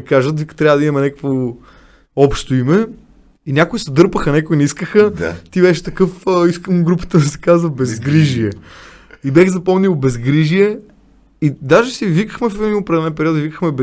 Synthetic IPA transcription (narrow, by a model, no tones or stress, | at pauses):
kaʒət̪vikt̪ɾʲavəd̪ɐimɐmɛnɛkə̥kvo | ɔpʃt̪oimɛ | inʲakʊisɛd̪ɤɾpəxɐnɛkʊiniskəxət̪ibɛʃɛ̥t̪ɐkɤfiskəmɡɾupə̥t̪əd̪ɐsɛ̥kazvəbɛzɡɾiʒiɛ | ibɛxzɐpɔmniwˠbɛzɡɾiʒiɛ | id̪aʒɛsivikəxmɛfɛd̪imiʊpɾɛd̪ɛlɛnpɛɾiɔt̪ivikəxmɛbɛ